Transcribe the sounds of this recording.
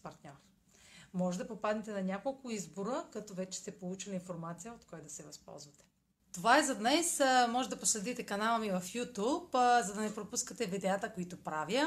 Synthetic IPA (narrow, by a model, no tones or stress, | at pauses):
pɐɾt̪nʲɔɾ | mɔʒɛd̪ɐpopad̪nɛt̪ɛnɐnʲakolˠkʊizboɾəkɐt̪ɔvɛt͡ʃɛ̥st̪ɛpolˠut͡ʃilʲiinfoɾmat̪sijəot̪kɔjd̪ɐsɛvɐspɔ̰lˠzvɐt̪ɛ̥ | t̪ovaɛzɐd̪nɛsmɔʒɛd̪ɐposlɛd̪it̪ɛkɐnalˠəmivɐfjut̪upzɐd̪ɐnɛpɾopuskət̪ɛvid̪ɛat̪əkoit̪opɾavjə